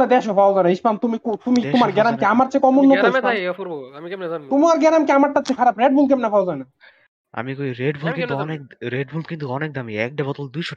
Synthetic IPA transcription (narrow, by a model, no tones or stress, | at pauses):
ad̪ɛʃopʰawzanaiʃpamt̪umikut̪umit̪omaɾɡɛɾamkeamaɾt͡ɕʰekɔmonːɔɔitpa | umaɾɡɛɾamkeamaɾʈat͡ɕʰekʰaɾabɾeɖ̚bʱulk̬ɛmnapʰawzajna | a̰mikoiɾeɖbʱulkkint̪uɔnek̚ɾeɖbʱulkint̪uɔnek̚d̪amiɛ̰k̚ɖabɔt̪old̪ujʃɔ